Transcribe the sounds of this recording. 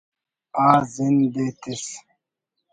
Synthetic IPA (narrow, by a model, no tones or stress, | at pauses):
aːzind̪et̪ʰis